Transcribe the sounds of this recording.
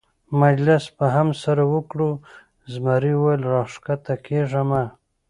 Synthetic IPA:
mad͡ʒlɪspaɦamsaɾawəkɽu | zmaɾiwajlɾɑʂkat̪akeʐama

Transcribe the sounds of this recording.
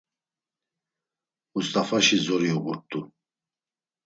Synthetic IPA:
must̪ʼafaʃizɔɾiɔbuɾt̪ʼu

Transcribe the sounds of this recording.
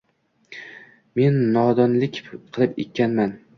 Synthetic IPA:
me̞nːɒd̪ɒnlɪkʲqʰɨlˠɪpḛk̚ʲʰːanman

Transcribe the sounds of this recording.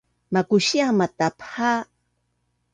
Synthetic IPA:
makʊʃjamat̪apha

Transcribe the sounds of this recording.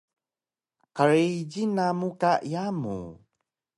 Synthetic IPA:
qaɾeɟinamukaʔijamṵ

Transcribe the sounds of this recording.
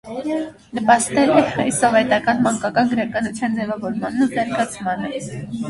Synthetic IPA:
nəpɑst̪ɛɾɛɑjsɔvɛt̪ɑkɑnmɑŋkɑkɑnɡəɾɑkɑnut͡sʰjɑnd͡zɛvɑvɔɾmɑnːut̪ɛɾɡɑt͡sʰmɑnə

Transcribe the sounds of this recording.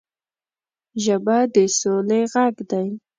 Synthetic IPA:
ʒəbad̪əsoleɣaɡd̪aj

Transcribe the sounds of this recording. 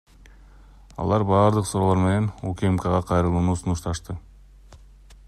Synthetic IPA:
ɑ̰lˠɑɾbɑːɾd̪ɯqsuɾoːlˠoɾme̞ne̞nukʲemkəʁɑqʰɑjɾɯlˠuːnuːsunuʃt̪ɑʃt̪ɯ

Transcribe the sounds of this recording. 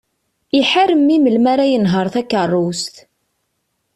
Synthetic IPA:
iħaɾəmːiməlmaɾajənɦəɾˤθækːərˤːust̪

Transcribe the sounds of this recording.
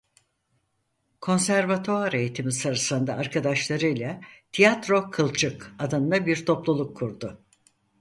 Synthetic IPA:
kʰo̞nsæɾvat̪ʰoaɾejit̪ʰimisaɾɯsɯnd̪aːɾkʰad̪aʃlˠaɾɯjlʲˠat̪ʰijat̪ɾo̞kʰɯlˠt͡ʃʰɯkad̪ɯnd̪abiɾt̪ʰo̞plˠulˠukʰːuɾd̪ʊ

